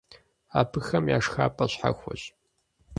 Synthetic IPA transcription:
aːpʰɨxɐmjaːʂxaːpʼɐɕħa̰xʷɔɕ

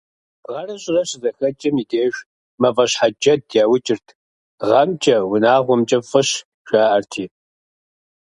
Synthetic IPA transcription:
ʁɐrɐɕʼɪrɐɕɪzɐxɐt͡ʃʼɐmideːʒʷ | mɐvɐɕħad͡ʒɐd̚jaːwʊt͡ʃʼɪrtʰ | ʁɐmt͡ʃʼɐwʊnaːʁʷɔmt͡ʃʼɐfʼɨɕ | ɕʷaːʔɐrtʰiː

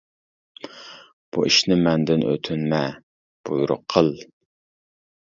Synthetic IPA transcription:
b̥ṵʔiʃnɪmɛnd̪ɪnʔø̰t̪ʰynmɛ | b̥ujuɾʊ̰qʰːəlˠ

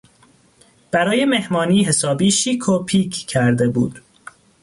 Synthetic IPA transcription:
b̥æɾɒːje̞me̞hmɒːniːɦe̞sɒːbiːʃiːkʰopʰiːcʰkʰːæɾd̪e̞bṵːd̪̥

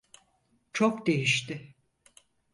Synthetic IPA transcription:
t͡ʃʰokd̪e̞jiʃt̪ɪ

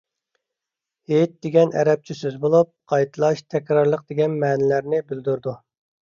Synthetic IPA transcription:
het̪̚d̪̥eɡʲɛnɛ̰ɾɛp̚t͡ʃʰisyzbolˠup̚qʰɑjt̪ʰɨlˠɑʃt̪ʰɛkʲɾɑɾlˠəq̚d̪eɡʲɛnmɛːnɪlæɾnɪbyld̪uɾd̪u

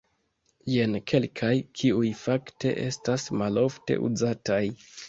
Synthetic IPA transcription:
je̞nkʰe̞lkʰajkʰiujfakte̞̰ʔe̞̰stasmalo̞ftḛʔṵzataj

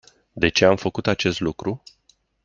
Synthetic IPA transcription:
d̪e̞t͡ʃe̞amfəkut̪at͡ʃe̞st̪lukɾu

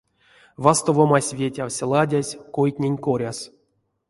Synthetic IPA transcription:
vast̪ovomasʲvʲetʲawsʲlˠadʲasʲkojt̪ʲnʲenʲkoɾʲas

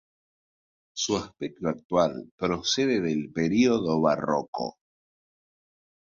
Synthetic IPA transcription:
suaspek̚t̪oak̚t̪walpɾoseðeðelpeɾioðoβa̰ro̰ko̰

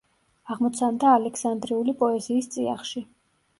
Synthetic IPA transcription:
aʁmɔt̪sʰand̪aːlɛkʰsand̪ɾiulipʼɔɛziːst̪sʼia̰χʃi

